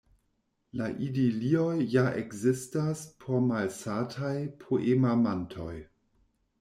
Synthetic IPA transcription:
laʔidiliojːaʔekzistaspʰomalsatʰajpʰoʔemamantʰo̰j

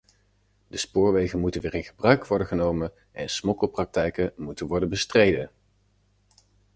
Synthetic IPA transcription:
d̥əspʊːɹʋejχənmutənʋɪːrɪnχəbrœɥkʋɔɹdəχənowmən | ʔɛ̰nsmɔkəlˠprɑk̚tɛjkənmutənʋɔɹdənbəstrejdən

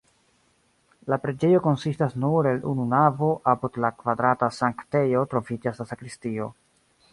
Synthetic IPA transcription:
lapɾe̞d͡ʒe̞jo̞ko̞nsistasnuɾe̞lṵnunavo̞ʔapudlakvadɾatasaŋkte̞jo̞tɾo̞fid͡ʒasasakɾistio̞

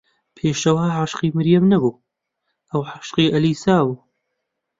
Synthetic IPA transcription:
pʰeːʃɐwaːħaʃqiːmɨɾjɐmnɐbuː | ʔɐwħaʃqiːʔɐliːsaːbuː

